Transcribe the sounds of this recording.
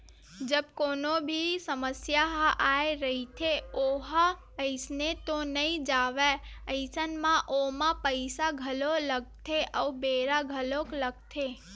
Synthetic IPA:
d͡ʒəbkoːnobʱisəməsjaɦʔaeɾəɦit̪ʰeoɦa | əɪsnet̪onəĩd͡ʒaːʋeəɪsənmãʔomãpəɪsaɡʱəloləɡ̚t̪ʰeʔəubeːɾaɡʱəlokləɡ̚t̪ʰe

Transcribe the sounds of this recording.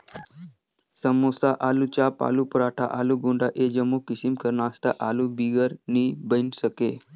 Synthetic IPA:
səmosaʔalut͡ɕapa̰lupəɾaʈʰaʔaluɡoɳɖaʔed͡ʑəmːukisimkəɾnaːst̪aʔalubiɡəɾnibənsəke

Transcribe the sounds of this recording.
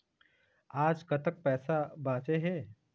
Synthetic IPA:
aːd͡ʒkət̪ək̚pɛːsabãːt͡seɦeː

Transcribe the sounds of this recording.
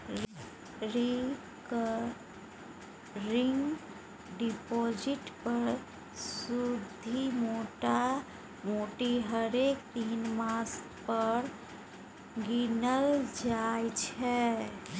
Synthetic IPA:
ɾi | k | ɾiŋɡ | ɖipod͡ʒiʈpəɾ | sud̪ʱimoʈa | moʈiɦəɾekt̪inmaskpəɾ | ɡinəld͡ʒajt͡ʃʰɛ

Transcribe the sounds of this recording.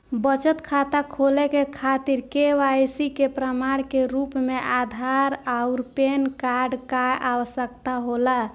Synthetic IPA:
bət͡ʃət̪kʰat̪akʰolekekʰat̪iɾkeʋajsikepɾəmaɽ̃keɾupmeʔad̪ʱaɾaʊɾpenkaɾɖkaʔawəsəkt̪aɦola

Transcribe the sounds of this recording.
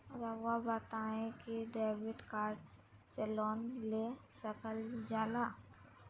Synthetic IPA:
ɾawabət̪aːẽkiɖeːbɪʈkaːɾɖ | sɛlɔːnlesəkəld͡ʒaːlaː

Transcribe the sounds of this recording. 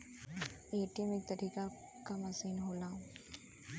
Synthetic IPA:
eːʈimeːk̚t̪əɾika | kamasiːnɦolaːũ

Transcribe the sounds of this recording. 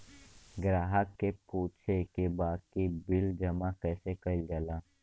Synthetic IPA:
ɡɾaːɦəkːepuːtʃʰekebaːd̪̚kibɪld͡ʒɐmakɛːsekəild͡ʒəlaː

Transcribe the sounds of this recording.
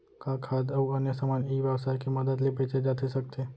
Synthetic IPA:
kakʰad̪əuənjəsamaniʋjəʋsajkeməd̪əd̪lipet͡ʃed͡ʒat̪ʰiʃək̚t̪ʰe

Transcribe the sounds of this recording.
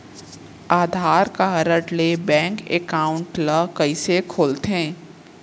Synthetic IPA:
aːd̪ʱaːɾkaɦəɾəʈlebɛ̃ːŋkḛkaːʊ̃ɳʈləkɐisekʰoːlt̪ɦɛ̃ː

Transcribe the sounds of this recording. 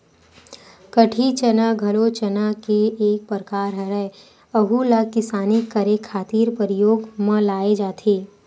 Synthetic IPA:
kəʈʰit͡ʃənaɡʱɐlot͡ʃənakeeːk̚pəɾkaːɾɦəɾɛ | əɦulakɪsaːnikɐɾekʰːaːt̪iːɾpəɾɪjoːɡmãlaːed͡ʒaːt̪ʰeː

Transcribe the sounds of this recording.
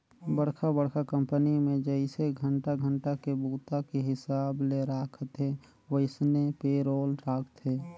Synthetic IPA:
bəɽkʰabəɽkʰakə̃mpənimẽd͡ʒəɪseɡʱəɳʈaɡʱə̃ɳʈakebuːt̪akeɦɪsaːbleɾaːkʰət̪ɦe | wəɪsnepeɾoːlɾaːkʰt̪ʰeː

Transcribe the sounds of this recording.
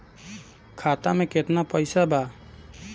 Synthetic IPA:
kʰat̪amẽket̪napəjsaba

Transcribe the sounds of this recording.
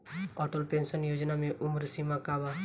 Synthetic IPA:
ɔːʈəlpẽːnsənjoːd͡ʒnamẽʔʊmɾsimakaːba

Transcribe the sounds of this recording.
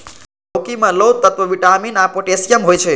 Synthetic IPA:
owkimãlowt̪ːət̪ʋəʋiʈaminapoʈesijəmɦojt͡ʃʰe

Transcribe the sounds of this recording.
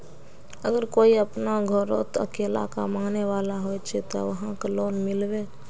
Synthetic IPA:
əɡəɾkoiəpnaɡʱəɾot̪ə̰kela̰ka̰maneʋalaɦojt͡ʃʰɛt̪ɔ̰ʋəɦãkeloːnmilbe

